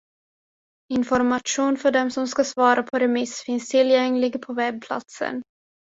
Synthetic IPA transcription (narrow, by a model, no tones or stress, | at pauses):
ɪnfɔɾmaʂuːnfœɖɛmsɔmskasvɑːɾʔapʰɔɾɛmɪsfɪnst̪ʰɪljɛŋlɪɡpʰɔvɛb̚pʰla̰t̪sə̰n